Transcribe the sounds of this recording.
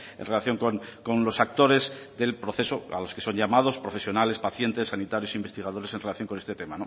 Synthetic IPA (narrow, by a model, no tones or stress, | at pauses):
ḛnrelaθjo̞ŋko̞nko̞nlo̞sak̚t̪o̞ɾe̞zðe̞lpɾo̞θe̞soa̰lo̞ske̞so̞nɲʝamað̞o̞spɾo̞fe̞sjo̞nale̞spaθje̞nt̪e̞sːanit̪aɾjosimbest̪iɣað̞o̞ɾe̞senre̞laθjo̞ŋkoest̪et̪e̞mano